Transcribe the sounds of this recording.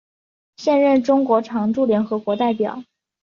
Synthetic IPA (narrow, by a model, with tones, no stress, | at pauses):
ɕjɛ˥˧nɻə˥˩nʈ͡ʂʊ˥ŋkwɔ˧˥ʈ͡ʂʰɑ˧˥ŋʈ͡ʂu˥˩ljɛ˧˥nxɤ˧˥kwɔ˧˥t̪a˥˩ɪpjɑ̰˨˩˦